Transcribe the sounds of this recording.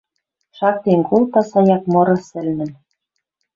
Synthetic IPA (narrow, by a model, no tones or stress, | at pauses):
ʃɑk̚t̪enkult̪ɑsɑjɑk̚mɤ̆ɾɤ̆sɘ̆lnɘ̆m